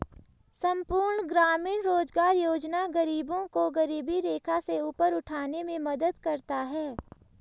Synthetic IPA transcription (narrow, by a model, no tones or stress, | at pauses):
sɐ̃mpuːɾɳɡɾaːmiːnɾoːzɡaːɾjoːd͡ʒnaɡɐɾiːbõkoɡɐɾiːbiɾeːkʰaseuːpəɾʊʈʰaːnemẽmɐd̪əd̪kɐɾt̪aɦɛː